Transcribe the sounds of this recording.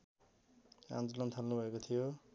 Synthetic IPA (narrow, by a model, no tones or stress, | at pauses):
ã̰nt͡sʌlʌnt̪ʰalnubʱʌekot̪ʰijo